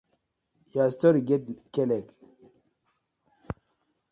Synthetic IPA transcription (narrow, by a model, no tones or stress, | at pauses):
jast̪ɔɾiɡedkɛlɛk